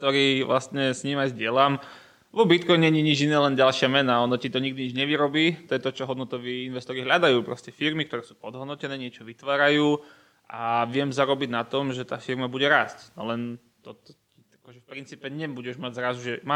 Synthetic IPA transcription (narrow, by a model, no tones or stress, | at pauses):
t̪ɔɾiːʋlast̪ɲɛsɲiːmajzɟɪɛlam | ʋɔbit̪kɔjɲɲɛɲiɲid͡ʒinɛːlɛnɟalˠʃɪamɛnaɔnɔcit̪ɔɲiɡ̚d̪iɲid͡ʒɲɛʋiɾɔbiːt̪ɔjɛt̪ɔt͡ʃɔɦɔd̪nɔt̪ɔʋiːinʋɛst̪ɔɾiɦʎad̪ajuːpɾɔscɛfiɾmik̚t̪ɔɾɛːsuːpɔd̪ɦɔd̪nɔcɛnɛːɲɪɛt͡ʃɔʋit̪ʋaːɾajuː | ʔaʋɪɛmzaɾɔbiɟnat̪ɔmʒɛt̪a̰ːfiɾmabuɟɛɾasc̪ɔ̰lɛn | t̪ɔt̪ɔ̥ciakɔʒɛfpɾint͡siːpɛɲɛbuɟɛʒmaɟzɾazuʒɛma